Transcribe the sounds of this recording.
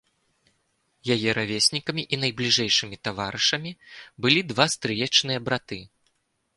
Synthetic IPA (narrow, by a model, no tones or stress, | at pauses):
jajɛɾʔavʲesʲnʲikɐmʲiʔin̪ɐjblʲiʐɛjʂɨmʲit̪avaɾɨʂɐmʲibɨlʲid̪vast̪ɾɨjɛt͡ʂnɨjɐbɾat̪ɨ